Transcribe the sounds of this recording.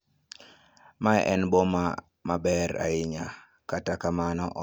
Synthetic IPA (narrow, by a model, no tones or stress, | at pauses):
maɛ̰ʔɛnbɔma | mabɛɾa̰ɪɲa | katakamanɔʔɔ